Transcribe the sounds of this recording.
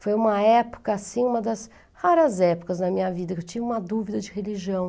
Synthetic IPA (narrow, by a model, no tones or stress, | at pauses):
fojũmɐɛpo̥kɐːsĩũmɐd̪ɐs | haɾɐzɛpʊ̥kɐznɐmĩɲɐvid̪ɐkewt͡ʃĩvɪũmɐd̪uvid̪ɐd͡ʒɪheliʒiɐ̃w̃